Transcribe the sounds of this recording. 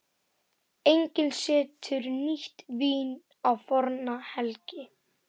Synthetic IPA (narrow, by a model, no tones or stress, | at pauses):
ejɲcɪnsɪːt̪ʰʏɾniht̪viːn | awfɔɾnahɛlcɪ